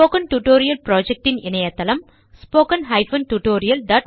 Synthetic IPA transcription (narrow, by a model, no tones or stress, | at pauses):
oːkɐnʈuʈoːɾijɐlpɾoːd͡ʒɛk̚ʈɪnɪnɐjɐt̪ːɐlɐm | spoːkɐnɦɐɪfɐnʈuʈoːɾijɐlɖ̪ɐːʈ̚